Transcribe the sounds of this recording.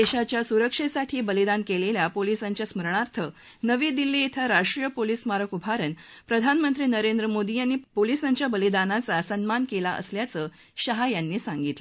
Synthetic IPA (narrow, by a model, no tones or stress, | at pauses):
d̪eɕat͡ɕjasuɾəkʂesaʈʰiːbəlid̪ankeleljapolisaɲt͡ɕjasməɾɳaɾt̪ʰə | nəʋiːd̪ilːiːet̪ʰaɾaʂʈɾijəpolismaɾəkubʱaɾənpɾəd̪ʱanmənt̪ɾiːnəɾend̪ɾəmod̪ijanːiːpolisãɲt͡ɕjabəlid̪anat͡sasənmankelaʔə̰sljat͡səː | ɕəɦajanːiːsãŋɡit̪lə